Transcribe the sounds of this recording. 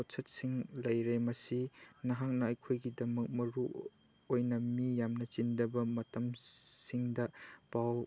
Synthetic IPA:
osʰɐt̚siŋlɐjɾemɐsinɐɦak̚nɐɐjkʰojɡidɐmɐk̚mɐɾu | ojnɐmijamnɐt͡ʃindɐbɐmɐtɐmsiŋdɐpaw

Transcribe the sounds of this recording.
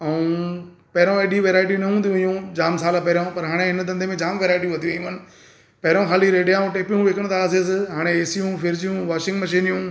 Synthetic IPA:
ɐũ | pɐɦɾõeːɗiʋeːɾaːɪʈ̬inɐɦũːd̪ʰiũijũd͡ʑaːmsaːlapɐɾjõpɐɾɦaːɽ̃ẽɦɪnd̪ɐ̃nd̪ʱemẽd͡ʑaːmʋeːɾaːɪʈ̬iʋɐt̪ʰiʋɐ̃jũənɪ̆ | pɐɦɾõxaːliɾeːɖijaũʈeːpijũʋeːkəɽ̃t̪ʰaːs̬es̬ɪɦaːɽ̃eeːsijũfʰɪɾd͡ʑijũʋaːʃɪ̃ŋɡmɐʃ̬iːnjũ

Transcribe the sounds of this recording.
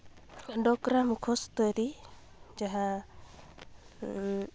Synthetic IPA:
ɖɔkɾamukʰɔst̪ɔɾi | d͡ʒaɦa

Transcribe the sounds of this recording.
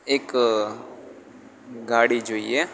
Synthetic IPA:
ek | ɡaːɽid͡ʒoːiɛ

